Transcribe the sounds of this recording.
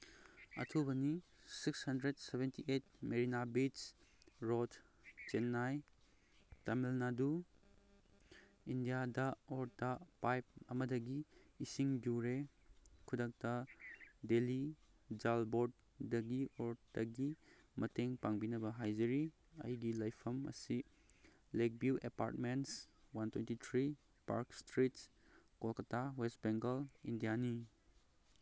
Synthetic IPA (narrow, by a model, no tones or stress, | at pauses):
ɐ̰tʰubɐnisikshɐndɾedsebʱentiʔet̚meɾinabisɾot | t͡ʃenːaj | tamelnadu | indijadɐoɾtɐpajp̚ɐmɐdɐɡiːsiŋduɾe | kʰudak̚tɐ | deli | d͡ʒalboɾd | dɐɡioɾdɐɡi | mɐteŋpaŋbinɐbɐɦajd͡ʒeɾi | ɐ̰jɡilɐjpʰɐmɐ̰si | lek̚buʔḛpa̰ɾtmenswantʰwentitʰɾi | pa̰ɾkstɾits | kolkɐtawestbeŋɡɐlindijani